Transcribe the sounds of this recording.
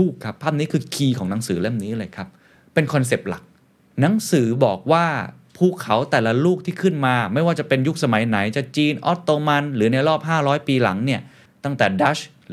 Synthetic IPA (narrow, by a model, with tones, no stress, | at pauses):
uː˥˩kʰːa˦˥pʰːaː˥˩p̚niː˦˥kʰɯː˧kʰiː˧kʰɔː˩˦ŋna˩˦ŋsɯː˩˦le˥˩mniː˦˥lɤː˧jkʰa˦˥p̚ː | e˧nkʰɔ˧ns̬e˨˩p̚la̰˨˩k̚ | na˩˦˥ŋsɯː˩˦bɔː˨˩k̚waː˥˩ | pʰuː˥˩kʰːa˩˦wt̪ɛː˨˩la˦˧˥luː˥˩k̚t̪ʰiː˥˩kʰɯ˥˩nmaː˧ma˥˩jwaː˥˩t͡ɕa˨˩pe˧nju˦˥k̚sa˧ma˨˩˦jna˩˦jt͡ɕa˨˩t͡ɕiː˧nʔɔ̰˦˥t̪ːoː˧ma˧nlɯː˩˦na˧jɾɔː˥˩p̚ɦaː˥˩ɾɔː˦˥jpiː˧la˩˦ŋni˥˩ɐ | t̪a˥˩ŋt̪ɛː˨˩da˦˥ɕ